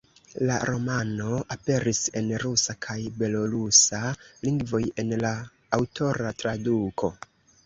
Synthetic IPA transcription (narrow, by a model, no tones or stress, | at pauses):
la̰ɾo̞mano̞ape̞ɾise̞nɾusakʰajbe̞lo̞ɾusaliŋɡvo̞je̞nlaː | wtʰo̞ɾatɾadukʰo̞